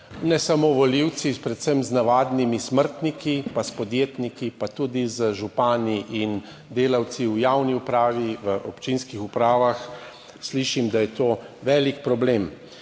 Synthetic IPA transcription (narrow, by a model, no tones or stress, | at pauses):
nɛsamoːʋɔliw̪sipɾɛt̪sɛmznaʋaːd̪nimisməɾt̪nikipaspɔd̪jeːt̪nikipat̪ud̪izəʒupaːniʔin | d̪eːlaw̪t͡s̪iwjawniupɾaːʋiʋəʔɔpt͡ʃinskixupɾaːʋax | sliʃimd̪ajɛt̪oːʋɛːlikpɾɔbleːm